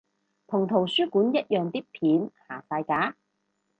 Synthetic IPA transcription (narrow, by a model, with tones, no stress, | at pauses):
t̪ʰʊ˨˩ŋt̪ʰo˨˩wsyː˥kuː˨˥njɐ˥t̚jœː˨ŋt̪iː˥k̚pʰiː˨˥nhaː˨˩faː˧jkaː˨˥